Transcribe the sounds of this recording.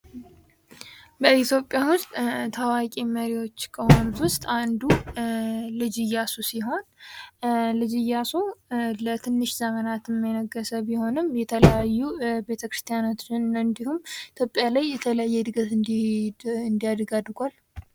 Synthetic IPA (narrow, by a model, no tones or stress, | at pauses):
bəit̪ʰjo̞pʼjawʊst̪ʼt̪ʰawakʼiməɾiwo̞t͡ʃːkʰʼəhonwʊst̪ʼand̪u | lɨd͡ʒɪjːasusiɦo̞n | lɨd͡ʒɪjːasulət̪ʰɨnːɨʃzəmənat̪ɨmːɛnəɡːəsəbiho̞nɨmjɛt̪ʰələjajːube̞t̪ʰəkɾɨst̪ʰijanot̪nɨnd̪ihumit̪ʰjo̞pʼːjalajːɛt̪ʰələjajːɛd̪ɨɡəfɨnd̪ | ɨnd̪ijad̪ɡad̪ɾɡʷal